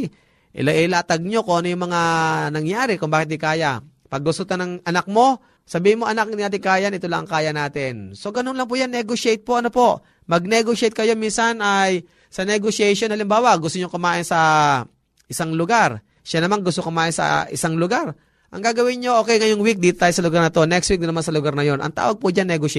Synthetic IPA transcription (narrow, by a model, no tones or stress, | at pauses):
ʔɪ̰laʔɪlaːt̪ɐɡ̚ɲo̞koʔɐnɐjʊŋmɐŋanɐŋjaːɾɪkʊŋbaːkɪt̪̚d̪ɪkaːja | pɐɡ̚ːʊst̪ot̪ɐnɐŋʔɐnak̚mo̞ | sɐbiːhɪnmoʔɐnakd̪naːt̪̬ɪŋkaːjanɪt̪olaʔɐ̰ŋkaːjɐnaːt̪ɪnso̞ɡɐnonlɐŋp̬uːjanːɛɡoʃejt̪̚poʔɐnopo̞ʔ | mɐɡ̚nɛɡoʃɛjt̪̚kɐjo̞minsanaj | sɐnɛɡoʃɛjʃonhɐlɪmbaːwɐɡʊst̪oɲokʊmaːʔɪnsɐ | ʔɪsaŋlʊɡaɾ | ʃanɐmanɡʊst̪okʊmaːʔɪnsɐ̰ʔɪsaŋlʊɡaɾ | ʔɐ̰ŋɡaːɡɐwɪnɲoʔoːkɛjŋɐjʊŋwik̚d̪iːt̪ot̪aːjosɐlʊɡaɾnɐt̪o̞nɛkst̪wik̚d̪ʊnɐmansɐlʊɡaɾnɐjo̞nʔɐ̰ŋt̪a̰ːwɐɡ̚pʊd͡ʒanːɛɡoʃ